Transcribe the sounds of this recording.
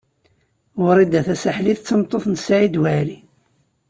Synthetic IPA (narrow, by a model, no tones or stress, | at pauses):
ʊɾˤid̪æθæsaħliθt͡sːəmt̪ˤːoθnsʕid̪wæli